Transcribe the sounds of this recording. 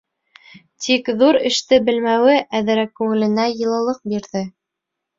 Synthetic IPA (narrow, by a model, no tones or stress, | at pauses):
t̪ʰikðuɾɘ̆ʃt̪ɘbɘ̆lmæwɘʔæðɘ̆ɾækːʉŋɘ̆lɘ̆næjɤ̆lˠɑ̆lˠɤq̚biɾðɘ